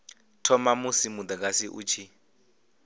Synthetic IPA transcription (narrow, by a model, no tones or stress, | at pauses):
tʰɔmamusimud̪ak̬ʼasiʔṵt͡ʃʰi